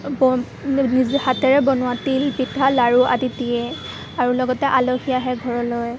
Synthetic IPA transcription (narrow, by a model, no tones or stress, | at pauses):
bɔ | nizhatɛɹɛbɔnʊwatilpitʰalaɹuʔa̰ditijɛ | aɹulɔɡɔtɛʔaloxijaɦɛɡʱɔɹɔloj